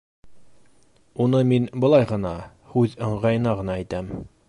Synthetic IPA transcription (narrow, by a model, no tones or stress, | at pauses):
unɤminbɤ̆lˠɑjʁɤ̆nɑ | hʉðɤ̆ɴʁɑjɤ̆nɑʁɤ̆nɑæ̆jt̪æm